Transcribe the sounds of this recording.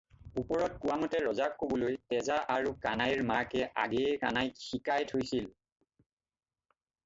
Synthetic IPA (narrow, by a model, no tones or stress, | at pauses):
upɔɹɔt̚kuwamɔtɛɹɔzakːobɔlojtɛzaʔaɹukanajɹmakɛʔa̰ɡɛɛkanajxikajtʰojsil